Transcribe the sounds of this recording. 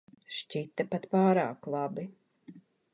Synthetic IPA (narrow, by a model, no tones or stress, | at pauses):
ʃt͡ʃit̪ːapat̪paːɾaːklˠabi